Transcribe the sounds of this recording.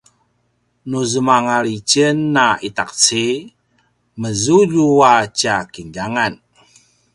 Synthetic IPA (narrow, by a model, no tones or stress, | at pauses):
nuzəmaŋalit͡ʃənːait̪ak̚t͡si | məzuʎuwat͡ʃakiɲd͡ʒaŋan